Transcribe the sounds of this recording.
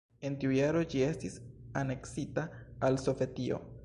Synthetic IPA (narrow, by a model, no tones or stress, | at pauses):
e̞ntiujaɾo̞d͡ʒie̞stisane̞ksitaːlso̞ve̞tio̞̰